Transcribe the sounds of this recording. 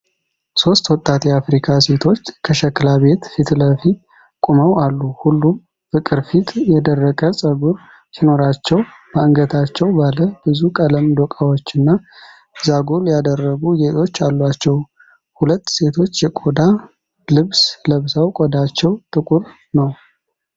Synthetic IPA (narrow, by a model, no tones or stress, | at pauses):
so̞st̪wɔt̪ʼːat̪jɛafɾikʰase̞t̪ʰo̞t͡ʃːkʰəʃɛkːlaβe̞t̪fit̪ləfit̪̚ | kʷʼuməwalːuhulːum | fɨkʼɨɾfit̪jɛd̪ərːəɡʼəsʼəɡuɾ | sino̞ɾat͡ʃːɛwbaɨŋɡət̪ʰat͡ʃːɛwbaləbɨzukʼələmd̪okʼawo̞t͡ʃːɨnːa | zaɡoljad̪ərːəɡuɡeʔ̪ʼo̞t͡ʃːalːwat͡ʃːɛw | hulət̪ːse̞t̪ʰo̞t͡ʃːjɛkʼod̪a | lɨβsləβsawkʼɔd̪at͡ʃːɛwt̪ʼɨkʼuɾ | nəw